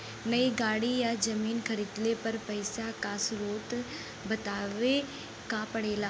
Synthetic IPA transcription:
nɐiɡaːɽijad͡ʒɐmiːnkʰəɾɪt̪lepɐɾpɐɪsakasɾoːt̪ | bɐt̪aːʋe | kapɐɽeːlaː

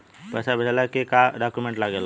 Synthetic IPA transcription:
pɛsabʱetalakekaɖakumẽɳʈlaɡel

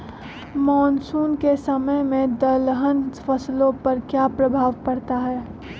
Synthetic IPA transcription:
mɔːnsuːnkesəməmẽd̪əlɦənfʰəslõpəɾkjapɾəbʱaːʋpəɾt̪aɦɛː

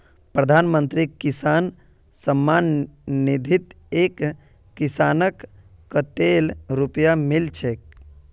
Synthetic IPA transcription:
pɾəd̪ʱanmənt̪ɾikisan | səmːanːid̪ʱit̪ | ekː | isanəkː | ət̪elɾupjamilt͡ʃʰek̚

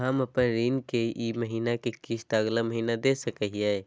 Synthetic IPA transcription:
ɦãməpənɾiːnkeʔiməɦiːnakekiʃt̪aɡlaməɦiːnad̪eːsəkəɦiɛ

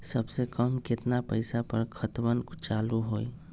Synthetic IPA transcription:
sɐbsekəmkɪt̪napəɪsapɐɾkʰət̪wənkt͡ʃaːluɦoːi

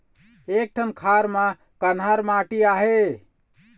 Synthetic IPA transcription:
ek̚ʈʰənkʰaɾmã | kənɦaɾmaʈiaɦe

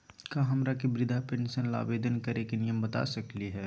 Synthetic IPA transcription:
kaːɦɐmɾakibɾɪd̪ʱapɛnsənla̰ːbeːd̪ənkɐɾeːknijəmbət̪a̰sɐkliɦɛː

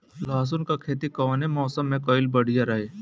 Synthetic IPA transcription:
laːs̬ʊnkakʰeːt̪ikɔːnemɔːsəmːẽkɔːɪlbɐɽ̤ijaɾɐɦeː

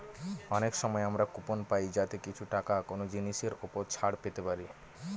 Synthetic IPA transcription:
ɔnekʃɔmɔeamɾakuponpajd͡ʑat̪ekit͡ɕʰuʈakakonod͡ʑiniʃeɾupoɾt͡ɕʰaɽpet̪epaɾi

